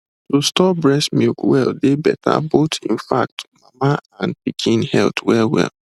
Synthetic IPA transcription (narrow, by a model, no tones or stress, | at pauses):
tostɔbɹɛsmikwɛldebɛtʰa̰botʰĩn̩fak̚tmamaãnpikʰĩnhɛltwɛlwɛ̰l